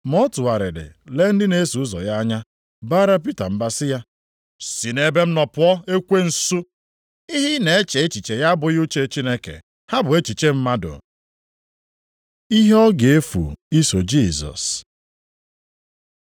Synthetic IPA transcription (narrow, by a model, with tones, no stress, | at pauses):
mɔ˦tʊ˨a˨ɾɪ˨dɪ̰˨le˦n̩˦dɪ˦ne˦su˨ʊ˦zɔ̰˨ja˦ɲa˦ | baː˦ɾa˦p̬i˦ta˨m̩˦ba˦sɪ˦ja˦ | si˨ne˦be˦m̩˦nɔ˨pʊ˨˦ɔ˦e˦kʷe˦n̩˨su˦ | i˦ɦi˦ne˨e˦t͡ʃe˨e˦t͡ʃi˨t͡ʃe˨ja˦bʊ˨ju˦t͡ʃe˦t͡ʃi˦ne˦kḛ˨ | ha˦bʊ˨e˦t͡ʃi˨t͡ʃe˦m̩˦ma˦dʊ̰˨ | i˦ɦe˦ɔ˦ɡe˨e˦fṵ˨i˦so˨d͡ʒi˦˨zɔ̰˨s